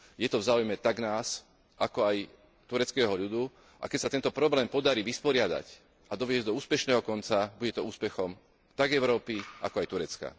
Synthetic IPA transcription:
jɛt̪ɔvzaːujmɛt̪aɡnaːs | ʔakɔaj | t̪uɾɛt͡skɛːɦɔʎud̪u | ʔa̰kɛcsat̪ɛnt̪ɔpɾɔblɛːmpɔd̪aɾiʋispɔɾɪad̪a̰c | ad̪ɔʋɪɛzd̪ɔuːspɛʃnɛːɦɔkɔnt͡sabuɟɛt̪ɔuːspɛxɔm | t̪aɡɛʊɾɔːpia̰kɔajt̪uɾɛt͡ska̰

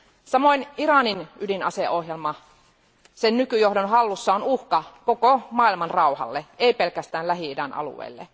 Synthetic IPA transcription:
sɑmoinirɑninydinɑ̰seʔohjelmɑ | sennykyjohdonɦɑlːusːɑonuhkɑkokomɑːilmɑnrɑuhɑ̰lːeeipelkæst̪æːnlæɦiidɑnɑ̰lṵʋḛilːḛ

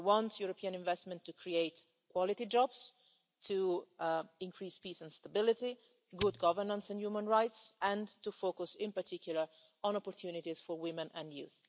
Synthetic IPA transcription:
wɔ̃nt̪juɾopʰiːãnɪ̃ɱvɛstmɛ̃nt̪ːukʰɾieɪt̪ | kʰwɔlɪt̪id͡ʒɔbs | t̪ʰu | ɪ̃ŋkʰɾiːspiːsɛ̃nst̪abɪlɪt̪i | ɡʊd̪ɡʌvəɹnə̃nsɛ̃njumə̃nɹajt̪sɛ̃nt̪ufoːkusɪ̃mpəɾt̪ʰikʰjuləɹ | ɔ̃nɔpɔɾt̪ʰjunit̪iz̥fɔɹwɪmɛ̃nɛ̃njṵːθ

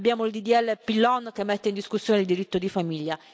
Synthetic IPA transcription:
bjaːmoild̪id̪iɛlːepilːɔnkemːet̪ːeind̪iskusːjoːneild̪iɾit̪ːod̪ifamiʎːa

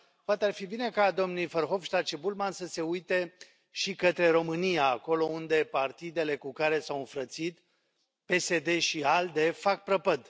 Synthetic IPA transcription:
poat̪earfibine̞kad̪o̞mnujfərxo̞vʃlat͡ʃebulmansəse̞ujt̪e̞ | ʃikət̪ɾe̞ɾo̞mɨnijaːko̞lo̞und̪e̞part̪id̪e̞le̞kukaɾe̞sawɨnfɾət̪sit̪ | pe̞se̞d̪e̞ʃiald̪e̞fak̚pɾəpəd̪

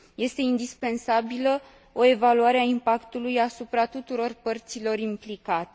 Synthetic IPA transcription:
je̞st̪e̞ind̪ispe̞nsabilə | o̞e̞valuaɾeaimpakt̪ulujasupɾat̪ut̪uɾo̞rpərt̪silo̞rimplikat̪e̥

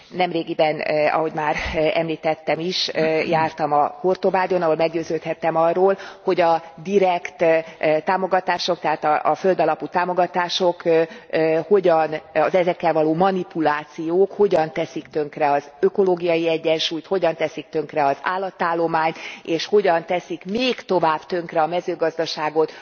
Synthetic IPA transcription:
nɛmreːɡibɛnɒ̰ɦo̞ɟmaːɾɛ̰mliːt̪ɛt̪ːɛmiʃjaːrt̪ɒmɒhort̪obaːd̪jo̞nɒɦo̞lmɛɡɟøːzøːt̪hɛt̪ːɛmɒrːoːlho̞ɟɒd̪iɾɛkt̪t̪aːmo̞ɡɒt̪aːʃo̞k̚t̪ɛɦaːt̪ɒʔfø̞ld̪ɒlɒput̪aːmo̞ɡɒt̪aːʃo̞kː | ho̞ɟɒnɒzɛzɛkːɛlvɒloːmɒnipulaːt̪sijoːkho̞ɟɒnt̪ɛsikt̪ø̞ŋkrɛɒzøko̞loːɡijɒjiɛɟːɛnʃuːjt̪ho̞ɟɒnt̪ɛsik̚t̪ø̞ŋkrɛɒza̰ːlːɒt̪ːaːlːo̞maːɲt̪eːʃho̞ɟɒnt̪ɛsikmeːkt̪o̞vaːb̥t̪ø̞ŋkrɛɒmɛzøːɡɒzd̪ɒʃaːɡo̞t̪

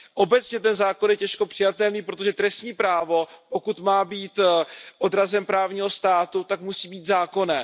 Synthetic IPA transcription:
ʔo̞bɛt͡sɲɛt̪ɛnzaːko̞njɛcɛʃko̞pr̥ɪjat̪ɛlniːpɾo̞t̪o̞ʒɛt̪ɾɛst̪ɲiːpɾaːvo̞po̞kut̪maːbiːt̪ʔo̞d̪ɾazɛmpɾaːvɲiːɦo̞st̪aːt̪ut̪akmusiːbiːt̪zaːko̞nɛː

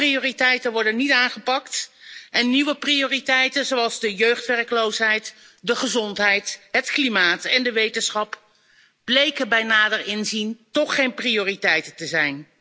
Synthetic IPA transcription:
prioːritɛjtənʋɔɹdənitaːnχəpɑktʔɛnːiʋəprioːritɛjtənzowɑlˠzdəjøɥχtʋɛrkəlowsɦɛjt | dəχəzɔntɦɛjtɦətklimaːtɛndəʋejtənsχɑp | b̥lejkənbɛjnaːdərɪnzintɔχejnprijoːritɛjtəntəzɛjn

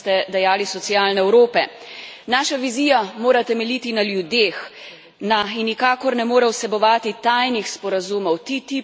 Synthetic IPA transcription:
t̪ɛd̪ɛjaːlisɔt̪siaːlnɛɛwɾoːpɛ | naːʃaʋiziːjamoːɾat̪ɛmɛlʲit̪inaljud̪eːx | nainːikaːkɔɾnɛmoːɾɛwsɛbɔʋaːt̪it̪ajnixspɔɾazuːmɔwt̪it̪i

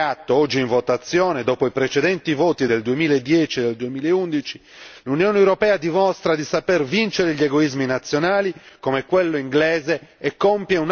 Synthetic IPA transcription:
at̪ːoɔd͡ʒːiiɱvɔt̪at̪sːjɔːned̪ɔːpoipɾet͡ʃɛd̪ɛnt̪ivoːt̪id̪eld̪uemiːlaed̪ːjɛːt͡ʃiɛd̪eld̪uemiːlaeund̪it͡ʃi | lunjɔːneewɾɔpɛːad̪imɔst̪ɾad̪isapɛrvint͡ʃeɾeʎeɡoizminat̪sːjonaːlikomekːwelːoiŋɡlɛːzeɛkːompjeun

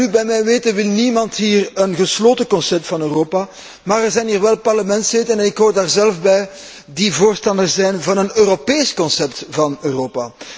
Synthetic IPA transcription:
ybɛjmɛjʋeːtənʋɪlˠnimɑntɦiːrənɣəsloːtəkɔnsɛp̚tfɑnøːroːpa | maːrɛrzɛjnɦiːrʋɛlˠpɑrləmɛntslɪtənɛnɪkɦoːrdaːrzɛlfbɛj | divoːrstɑndərszɛjnvɑnənøːropeːskɔnsɛptvɑnøːroːpa

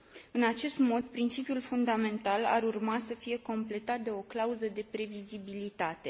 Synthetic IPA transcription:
ɨnat͡ʃe̞st̪mo̞d̪̚pɾint͡ʃipjulfund̪ame̞nt̪ala̰ɾurmasəfije̞ko̞mple̞t̪at̪̚d̪e̞o̞klauzəd̪e̞pɾe̞vizibilit̪at̪e̞

